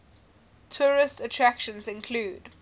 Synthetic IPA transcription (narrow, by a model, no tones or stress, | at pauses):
tʰɔːɹɪstətʰɹækʃə̃nzɪ̃nkʰluːd̥